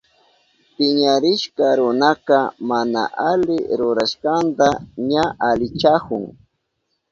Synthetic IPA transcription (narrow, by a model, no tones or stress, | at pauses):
pɪɲaɾɪʃkaɾʊnakamana̰ʔalɪɾʊɾaʃkant̪aɲaʔalɪt͡ʃakʊ̰ŋ